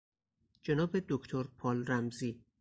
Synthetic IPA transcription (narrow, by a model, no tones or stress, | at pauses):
d͡ʒe̞nɒːbe̞d̪okʰt̪ʰoɾpʰɒːlɾæmziː